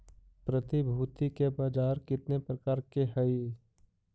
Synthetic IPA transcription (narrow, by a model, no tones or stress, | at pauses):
pɾət̪ibʱuːt̪ikebaːd͡ʒaːɾkɪt̪nepɾəkaːɾkeɦəi